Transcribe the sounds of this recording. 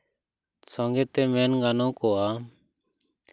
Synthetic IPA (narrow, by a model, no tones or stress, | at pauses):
sõːŋɡeːt̪eːmeːnɡaːnõːkoːaː